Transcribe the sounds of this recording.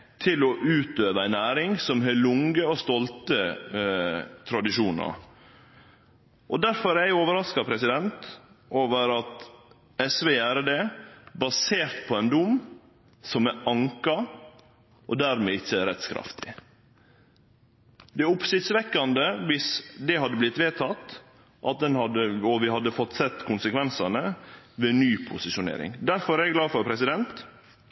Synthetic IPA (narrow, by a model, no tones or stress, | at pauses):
t̪ʰɪlɔʔʉːt̪øːʋəæɪnæːɾɪŋsɔmɦeːlʊŋəɔst̪ɔlt̪ə | t̪ʰɾɑd̪ɪʃuːnɑ̰ɾ | ʔɔd̪æɾfɔɾæɪoːʋəɾɑskɑpʰɾɛsɪd̪ɛnt̪ | ʔoːʋəɾɑt̪ | ɛsʋeːæːɾəd̪ebɑseːɾt̪pʰɔænd̪ʊm | sɔmæɑŋkɑ | ʔɔd̪æɾmɛɪt͡ʃːəæɾɛt̪skʰɾɑ̰ft̪ʰɪ̥ | d̪ɛʊpsɪt̪sʋɛkːɑnd̪əʋɪsd̪ɛɦɑd̪ːəblɪt̪ːʋeːt̪ʰɑt̪ | ʔɑt̪̚d̪ɛnhɑd̪əɔʋɪhɑd̪ːəfɔt̪ːsɛt̪ːkʰʊnsəkʋɛnsɑnə | ʋeːnyːpʰʊsɪʃʊnḛːɾɪ̰ŋd̪æɾfɔɾæɾɛɡlɑːfɔɾpʰɾɛsɪd̪ɛnt̪